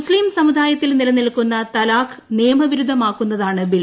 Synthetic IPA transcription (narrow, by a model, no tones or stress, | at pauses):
sliːmsɐmud̪ʱaːjɐt̪ːilnilɐnilkːunːɐt̪ɐlaːkneːmɐʋiɾud̪ʱːɐmaːkːunːɐðaːɳɨbil